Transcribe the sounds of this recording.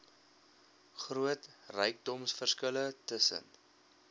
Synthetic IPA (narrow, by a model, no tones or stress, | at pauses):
χruətrɛjk̚dɔmsfərskələtəsə̰n